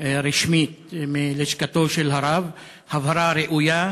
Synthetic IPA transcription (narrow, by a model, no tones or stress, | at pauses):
ɾiʃmit̪meleʃkat̪oʃelɦaɾav | havaɾaɾeʔuja